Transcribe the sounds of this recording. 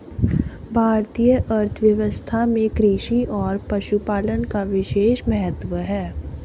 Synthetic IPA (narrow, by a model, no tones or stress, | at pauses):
bʱaːɾt̪ijəʔɐɾt̪ʰʋjəʋəst̪ʰamẽkɾiːʃiʔɔːɾpɐʃupaːlənkaʋɪʃeːʃmɛɦət̪ʋəɦɛː